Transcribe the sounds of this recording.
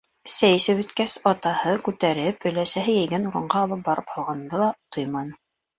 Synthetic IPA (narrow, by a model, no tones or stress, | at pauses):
sæj̆sɘβɵ̆t̪kæsɑt̪ɑhɤkʉt̪æɾɘpɵ̆læsæɦɘjæ̆jɡænuɾɤ̆ɴɢɑːlˠɤp̚bɑɾɤphɑlˠʁɑnd̪ɤlˠɑt̪ojmɑnɤ